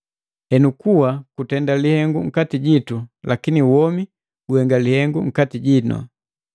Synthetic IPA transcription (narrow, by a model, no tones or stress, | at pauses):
hɛnukuwakutɛndalihɛŋɡuŋ̩katiɟitulakiniwɔmi | ɡuɛŋɡalihɛŋɡuŋ̩katiɟinɔ̰